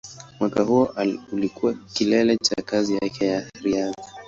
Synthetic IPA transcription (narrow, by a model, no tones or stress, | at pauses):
mwakahuɔʔulikuwakilɛlɛt͡ʃakazijakɛjaɾiaði